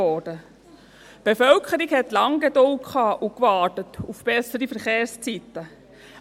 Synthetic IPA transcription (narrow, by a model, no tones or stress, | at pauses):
ɔd̥ə | b̥efœlkʰəɾiɡhɛtlɑŋɡedolkʰɑːʔukvɑːtətufb̥ɛsəɾifəɾχeːɾst͡sit̪ə